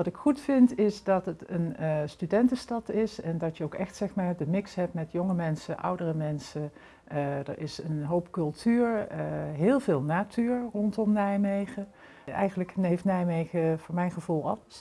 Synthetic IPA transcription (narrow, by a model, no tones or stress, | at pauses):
ʋɑtɪkχutfɪntɪsdɑtətənstydɛntəstɑtɪsɛndɑtjəowkɛxtsɛχmaːɹdəmɪksɦɛp̚tmɛtjoŋəmɛnsəʔʌ̰wdərəmɛnsə | də̰ɹɪsənɦowpkɵlˠtʰyːɹɦɪːlˠvɪːlˠnaːtʰyːɹrɔntɔmnɛjmejχə | ɛ̰jχənləknejftnɛjmejχəvʊːɹmɛjnχəvulˠɑ̰ləs